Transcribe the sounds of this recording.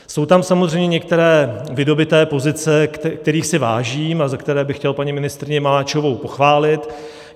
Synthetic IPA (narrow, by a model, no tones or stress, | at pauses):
so̞wt̪amsamozr̝ɛjmɲɛɲɛk̚t̪ɛɾɛːvɪdo̞bɪt̪ɛːpo̞zɪt͡sɛkt̪ɛɾiːxsɪva̰ːʒiːmazakt̪ɛɾɛːbɪxcɛlpaɲɪmɪnɪst̪ɾɪɲɛmalaːt͡ʃovo̞wpo̞xvaːlɪt̪